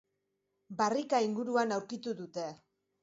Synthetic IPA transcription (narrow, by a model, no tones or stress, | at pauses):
barikaiŋɡuɾuanawɾkit̪uðut̪e̞